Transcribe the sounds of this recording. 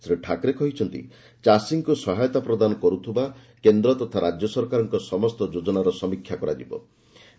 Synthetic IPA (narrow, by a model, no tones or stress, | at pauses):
sɾeʈʰakɾekɔɦit͡ʃʰɔnt̪ḭ | t͡ʃasiŋkusɔɦajɔt̪apɾɔd̪anɔkɔɾut̪ʰiba | kend̪ɾɔt̪ɔt̪ʰaɾad͡ʒjɔsɔɾkaɾɔŋkɔsɔmɔst̪ɔd͡ʒod͡ʒɔnaɾɔsɔmikʰjakɔɾa̰d͡ʒibɔ̰